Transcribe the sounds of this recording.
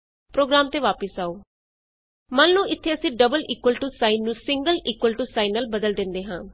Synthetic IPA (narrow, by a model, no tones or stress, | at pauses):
pɾoːɡɾaːmt̪eːʋaːpəsaːoː | mə̃nlũːʔɪt̪ʰːeːəsĩːɖəbəliːkwəlʈuːsaːinːũːsɪŋɡəliːkwəlʈuːsaːinəlbəd̪əld̪ɪ̃nd̪eːɦãː